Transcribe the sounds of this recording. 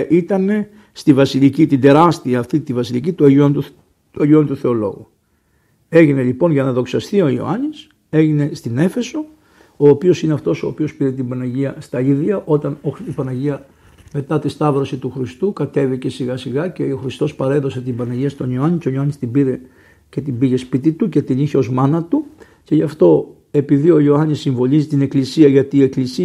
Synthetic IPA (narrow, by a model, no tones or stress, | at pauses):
ʔit̪ɐne̞ | st̪ivɐsilicit̪ind̪e̞ɾɐst̪iɐːft̪it̪ivɐsilicit̪uonu | t̪uʝont̪uθe̞o̞lo̞̰ɣu | e̞ʝine̞lipo̞nʝɐnɐðo̞ksɐst̪io̞io̰ɐnis | e̞ʝine̞st̪ine̞fe̞so̞ | oːpio̞sine̞ɐft̪o̞so̞̰ːpio̞spiɾet̪ibɐnɐʝiɐst̪ɐiðiɐʔo̞t̪ɐnoxibɐnɐʝiɐ | me̞t̪ɐt̪ist̪ɐvɾɐsit̪uxɾist̪ukɐt̪e̞vice̞siɣɐsiɣɐce̞o̞xɾist̪o̞spɐɾe̞ðo̞se̞t̪imbɐnɐʝiɐst̪onioɐnico̞ioɐnist̪ibiɾe̞ | ce̞t̪ibiʝe̞spit̪it̪uce̞t̪iniçe̞o̞zmɐnɐt̪u | ce̞ʝɐft̪o̞ | e̞piðio̞ioɐnisiɱvo̞lizit̪ine̞klisiɐʝɐt̪iːeklisi